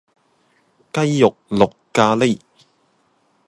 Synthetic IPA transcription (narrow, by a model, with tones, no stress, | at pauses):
kɐ˥jːʊ˨k̚lʊ˨kːaː˧le˥j